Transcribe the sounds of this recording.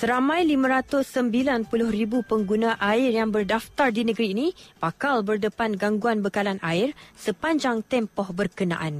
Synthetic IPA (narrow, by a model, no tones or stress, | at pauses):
səɾamãjlimãɾat̪ʊsːəmbilanpulʊhribupəŋɡunãʔaɪrjaŋbərdaft̪ardinəɡɾiːnĩpakalbərdəpanɡaŋɡuanbəkalanʔaɪrsəpaɲd͡ʒaŋt̪ɛmpɔhbərkənã̰ʔan